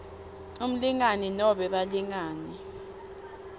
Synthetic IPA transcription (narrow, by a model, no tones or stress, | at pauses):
um̩liŋaninɔɓɛɓaliŋaːni